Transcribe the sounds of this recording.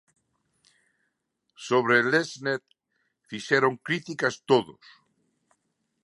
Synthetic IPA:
soβ̞ɾeleznet̪̚ | fiʃeɾoŋkɾit̪ikast̪oðo̰s

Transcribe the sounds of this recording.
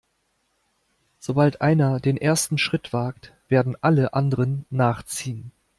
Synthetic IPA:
z̥obaltʔaɪnɐdeːnʔeːɐstn̩ʃʁ̥ɪtv̥aːk̚tv̥eːɐdn̩ʔaləʔandəʁənːaːχt͡siːən

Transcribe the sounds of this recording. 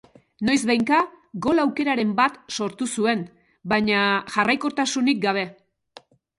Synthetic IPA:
no̞jzβajŋka | ɡo̞lawke̞ɾaɾe̞mbat̪so̞ɾt̪usue̞n | baɲaʝarajkot̪asunik̚ɡaβ̞e̞

